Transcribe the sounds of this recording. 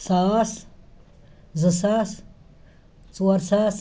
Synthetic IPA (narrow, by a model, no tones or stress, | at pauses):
saːs | zɨsas | t͡suɾsas